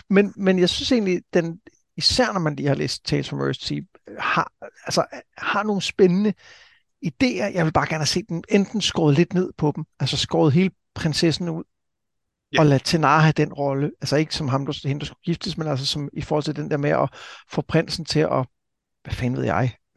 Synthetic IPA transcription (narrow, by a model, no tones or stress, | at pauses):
menmenjɑ̈ɪsynse̝ːɡnlid̥en | isæɐ̰nɒmænliːhɑ̈lḛːsd̥t͡sʰɛsʰumø̰sit͡sʰi | hɑ̈ælsɐhɑ̈no̝ːn̩sb̥enənə | id̥e̝̰ːɐjʔɑ̈ɪʋe̝lbɑ̈ːɡ̥æɐn̩hæse̝̰ːd̥emend̥n̩sɡ̥ʁɒ̰ːð̩ˠle̝d̥ne̝ð̞̰ˠpʰɒ̽d̥m̩ælsɐsɡ̥ʁɒ̰ːʊð̩ˠɦe̝ːlə | pʰʁensesn̩uð̞̰ˠ | ɒ̽læt͡sʰenɑ̈ɦæd̥enʁɒ̽ləælsɐe̝ɡ̥ə̥sɒ̽mɦɑ̈md̥ɑ̥hend̥ɑsɡ̥u̥ɡ̥ifd̥əsmenæls̬əsɒ̽mifɔːhɒ̽l̰t͡sʰe̝d̥end̥eɐmeɒ̽fɒːpʰʁen̰sn̩t͡sʰe̝ʔɒ̽ | ʋæfɛːnʋe̝ð̰ˠjɑ̈ɪ